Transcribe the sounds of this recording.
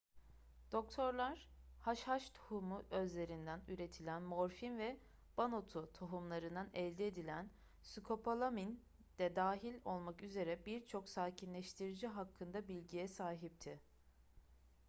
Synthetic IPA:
d̪̥o̞k̚t̪ʰo̞ɾlˠaɾ̥haʃhaʃt̪ʰu̥humuʔø̞zlʲe̞ɾind̪ænyɾe̞t̪ʰilʲænmo̞ɾfinvɛ | b̥ano̞t̪ʰut̪ʰoɦumlˠaɾɯnd̪anɛlʲd̪ied̪ilʲæn | sykʰo̞pʰolˠamin | d̪̥ɛd̪aːɦilʲo̞lˠmakyze̞ɾɛbiɾt͡ʃʰo̞ksaːcʰinlʲɛʃt̪ʰiɾid͡ʒiɦakʰːɯnd̪abilʲɟijɛsaːɦip̚t̪ʰɪ

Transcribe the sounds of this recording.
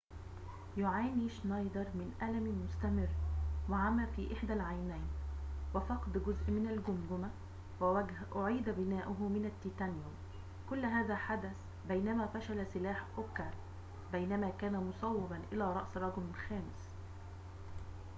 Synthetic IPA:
jʊʕaːniʃnɑjd̪ɑɾˤmɪnʔælæmmʊst̪æmɪrːwɪʕamːæːfiːʔɪħd̪ælʕajnæjnwɪfɑqd̪ɡʊzʔmɪnalɡʊmɡ̪ʊmæ | wʔʊʕiːd̪bɪnæːʔʊɦʊmɪnæt̪ːit̪ænjo | kʊlːɦæːðæħad̪æθ | bæjnæmæːfæʃælsɪlaːħʔʊkːaɾ | bæjnæmæːkæːnæmʊsˤɑwːɪbanʔɪlæːɾˤɑʔsɾˤɑɡɪlmɪlxæːmɪs

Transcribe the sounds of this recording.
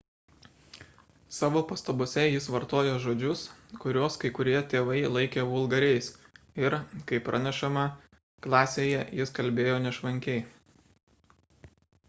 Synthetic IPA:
sɑːʋoːpɐst̪ɐbʊːsʲɛjɪsʋɐɾt̪oːjoːʒoːd͡ʒʲʊskʊɾʲoːskɐɪkʊɾʲiɛt̪ʲeːʋɐɪlˠɐɪkʲeːʋʊlˠɡɐɾʲɛɪs | ɪɾkɐɪpɾʔɐnʲɛʃɐmɐ | klˠɑːsʲeːjɛjɪskɐlʲbʲeːjoːnʲɛʃʋɐŋʲkʲɛɪ

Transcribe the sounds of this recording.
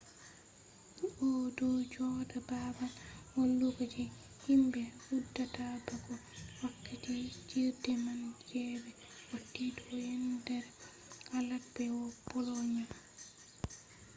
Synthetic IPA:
ɔdɔd͡ʒɔdababalwɔlːukati | himbɛudːatabakɔwakːatid͡ʒiɾdɛmand͡ʒɛːbɛ | wotːidɔjɛndɛɾ | alat̚bɛwɔpɔlɔɲa

